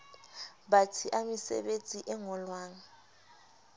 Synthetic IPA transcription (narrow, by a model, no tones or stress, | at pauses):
ɓatʰiʔamisɛ̰ɓet͡sʼiʔɛŋɔlwaːŋa